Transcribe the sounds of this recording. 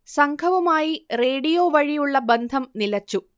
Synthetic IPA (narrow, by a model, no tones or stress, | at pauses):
sɐŋkʰɐʋɐmaːjire̞ːɽijo̞ːʋɐɻijuɭːɐbend̪ʱɐmnilɐt͡ɕːu